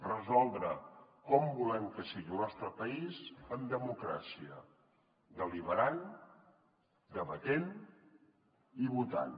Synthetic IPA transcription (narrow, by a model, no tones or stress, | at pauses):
rəzɔlˠd̪ɾəkɔmbulɛmkəsiɣilˠnɔst̪ɾəpəizəmd̪əmukɾa̰siə | d̪əliβəɾan | d̪əβət̪en | iβut̪a̰n